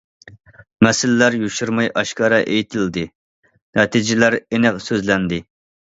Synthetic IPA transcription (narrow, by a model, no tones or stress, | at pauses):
mɛsɪlːæɾjuʃuɾmɑjʔɑʃkɑɾɑʔejt̪ʰɪld̪ɪ | nɛt̪ʰid͡ʒɪlæɾenɛqsøzlɛnd̪ɪ